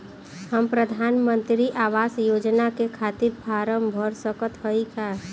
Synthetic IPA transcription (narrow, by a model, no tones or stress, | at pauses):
həmpɾəd̪ʱaːnmə̃nt̪ɾiʔaːʋaːsjoːd͡ʒnakekʰaːt̪iɾpʰaːɾəmbʱəɾsəkət̪ɦəikʰa